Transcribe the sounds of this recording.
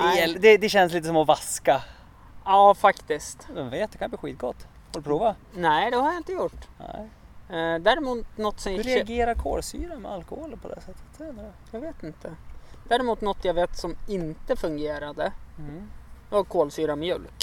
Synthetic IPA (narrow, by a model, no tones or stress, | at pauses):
ɛd̪ɛd̪ɛɕɛnsliːt̪əsɔmɔvaska | ɑːfakt̪ɪst̪vɛnveːt̪̚d̪ɛkʰanəbliːɧḭːt̪̚ɡɔt̪ː | haɾd̪ɵpʰɾuːva | nɛd̪ɛhaɾjaɪnt̪əjʊʈːnɛ̰ | d̪æːɾɪmuːt̪nɔt̪ːsɔɾɛaɡeːɾaɾkʰo̰ːlsy̰ːɾamɛ̰alkɔhoːlpʰɔd̪ɛ̰sɛt̪ʰːə̥t̪ɛnəɾəjɑɡveːt̪ɪnt̪ʰəd̪̥æːɾɛmuːt̪nɔt̪ʰːjaɡveːt̪sɔmɪnt̪əfɵŋɡeːɾad̪ə | ɔkʰoːlsyːɾamɛjʉ̟ːl